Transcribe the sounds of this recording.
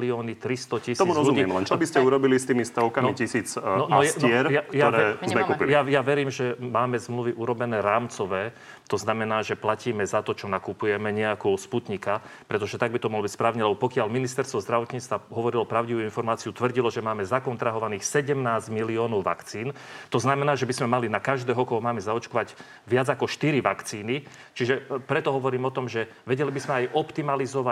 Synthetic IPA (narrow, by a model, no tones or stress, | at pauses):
liɔːnit̪ɾist̪ɔcist̪ɔːmuɾɔzlumiːɛmlɛnt͡ʃɔbiscɛuɾɔbilist̪iːmist̪ɔʊkamicisiːt͡snɔnnɛɾjakjaɔɾɛɛzmɛkupiljajaʋɛɾiːmʒɛmaːmɛzmluʋiʔuɾɔbɛnɛːɾaːmt͡sɔʋɛː | t̪ɔznamɛnaːʒɛplaciːmɛzat̪ɔt͡ʃɔnakupujɛmɛɲɛakɔsput̪ɲikapɾɛt̪ɔʒɛt̪aɡ̚bit̪ɔmɔɦlɔbicspɾaːʊɲɛlɛbɔpɔkɪaʎminist̪ɛɾst̪ʋɔzd̪ɾaʋɔt̪ɲiːt͡st̪ʋaɦɔʋɔɾilɔpɾaʊɟiʋuinfɔɾmaːt͡siut̪ʋr̩ɟilɔʒɛmaːmɛzakɔnt̪ɾaɦɔʋaniːxsɛɟɛmnaːzɟmiliɔːnɔʊʋa̰kt͡siːnt̪ɔznamɛnaːʒɛbizmɛmalinakaʒd̪ɛːɦɔkɔɦɔmaːmɛzaɔt͡ʃkɔʋaɟ | ʋɪad͡zakɔʃt̪iɾiʋakt͡siːni | t͡ʃiʒɛpɾɛt̪ɔɦɔʋɔɾiːmɔt̪ɔmʒɛ | ʋɛɟɛlibizmɛajʔɔpt̪imalizɔʋa